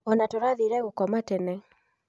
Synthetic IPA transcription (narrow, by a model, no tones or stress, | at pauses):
ɔnatoɾaðiɾɛɣokɔmatɛnɛ